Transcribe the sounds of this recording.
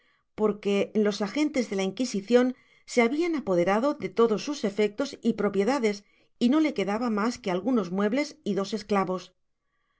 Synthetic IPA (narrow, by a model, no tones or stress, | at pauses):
po̞ɾke̞lo̞saxe̞nt̪e̞zðe̞laiŋkisiθjo̞n | se̞aβianapo̞ð̞e̞ɾaðo̞ðe̞t̪o̞ðo̞sːuse̞fe̞k̚t̪o̞sipɾo̞pje̞ðaðe̞s | ino̞le̞ke̞ðaβamaske̞alɣuno̞zmwe̞βle̞siðo̞se̞sklaβo̞s